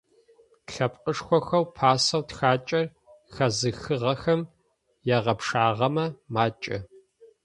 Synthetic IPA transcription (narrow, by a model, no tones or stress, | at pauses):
ɬɐpqʼəʂxʷɔxɐwpʰaːsɐwtxaːt͡ʃʼɐr | xɐzɨxɨʁɐxɐm | jɛʁɐpʂaːʁɐmɐmaːt͡ʃʼɐ